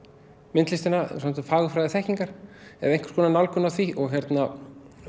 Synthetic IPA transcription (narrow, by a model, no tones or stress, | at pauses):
mɪnt̪lɪsɪna̰samt̪ʏmfaːɣʏfɾajðɪθɛhciŋkaɾ̥ɛ̰ðejŋ̥kʰv̥ʏ̥kɔːnanalkʏnaθviʔɔɣçɛɾt̪na